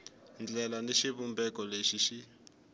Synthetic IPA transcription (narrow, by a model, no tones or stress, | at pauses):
nd͡ɮɛlaneʃiβumbɛkɔleʃiʃi